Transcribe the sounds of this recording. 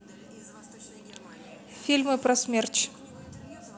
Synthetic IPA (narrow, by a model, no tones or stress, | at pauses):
fʲilʲmɨpɾɐsmʲert͡ɕ